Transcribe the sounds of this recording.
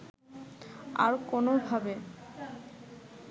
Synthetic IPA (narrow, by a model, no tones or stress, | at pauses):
a̰ɾkonobʱabe